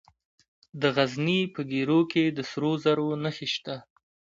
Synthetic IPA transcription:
d̪əɣaznipəɡeɾoked̪əsɾozaɾonəxeʃt̪a

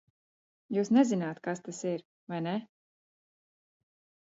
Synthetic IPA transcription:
juːsnɛzinaːt̪kast̪asiɾ | vajne

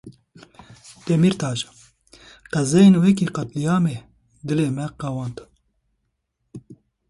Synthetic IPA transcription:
d̪̥ɛmiːɾt̪ʰɑːʒḁ | qɛzɛjenwɛk̬iqɑt̪lijɑːme | d̪ɨleːmɛqɛwɑnt̪

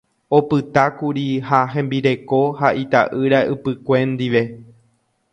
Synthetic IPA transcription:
o̞pɨt̪akuɾihaɦẽ̞mbiɾe̞ko̞haʔit̪aʔɨɾaɨpɨkʷẽ̞nd̪iʋe̞

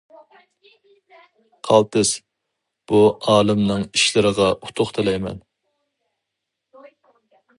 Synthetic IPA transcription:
qʰɑlˠt̪ʰɪs | b̥uɑːlˠɨmnɨŋiʃlɪɾəʁɑʔu̥t̪ʰʊχt̪ʰɪlɛjmɛ̰n

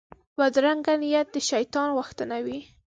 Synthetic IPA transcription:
wad̪ɾaŋɡanijat̪̚d̪əʃajt̪ɑnɣʊxt̪ənawi

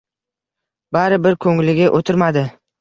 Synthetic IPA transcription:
baɾɪbɪɾkʰɵŋlɪɡʲaʔot̪ʰɪɾmad̪ɪ

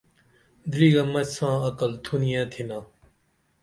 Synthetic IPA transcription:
d̪ɾiːɡaːmɐt͡ɕsãːɐkəlt̪ʰunijãːt̪ʰinãː

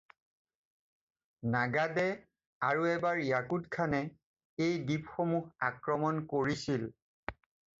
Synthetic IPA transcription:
naɡadɛ | aɹuɛbaɹijakutkʰanɛ | ejdipxomuxakɹɔmɔnkoɹisil

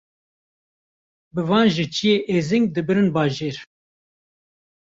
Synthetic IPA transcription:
bɨvɑːnʒit͡ʃʰijeːʔezɨŋɡ̚d̪ɨbɨɾɨnbɑːʒeːɾ

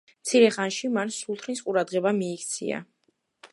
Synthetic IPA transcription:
mt̪sʰiɾɛχanʃimansulˠt̪ʰɾnisqʼuɾad̪ʁɛbamiːkʰt̪sʰḭa̰

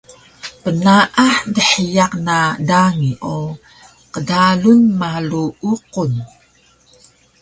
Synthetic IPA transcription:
pənaʔaħdəħəjaq̚nadaŋiʔo | qədalunmaluuqun

